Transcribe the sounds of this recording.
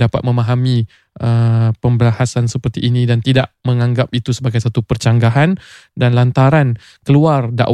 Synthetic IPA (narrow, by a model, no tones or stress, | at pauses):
dapat̪̚mə̃mãɦamĩ | ʔəpəmbəlahasansəpərt̪iʔːnĩdant̪idaʔməŋãŋɡap̚it̪usəbaɡajsat̪upərt͡ʃaŋɡaɦandanlant̪aɾan | kəluarda̰ʔ